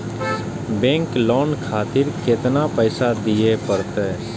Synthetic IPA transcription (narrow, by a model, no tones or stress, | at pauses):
bẽːŋklɔːnkʰaːt̪ɪɾkɪt̪napəɪsad̪ijepəɾt̪eː